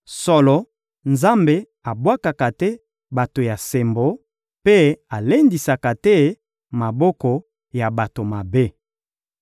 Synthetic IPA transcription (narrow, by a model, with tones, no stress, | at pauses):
sɔ˦lɔ˨ | nza˦mbe˨ | a˨bwa˦ka˨ka˨tɛ˦ | ba˨to˨ja˨se˨mbo˦ | pe˦a˨le˦ndi˨sa˨ka˨tɛ˦ | ma˨bɔ˦kɔ˨ | ja˨ba˨to˨ma˨be˦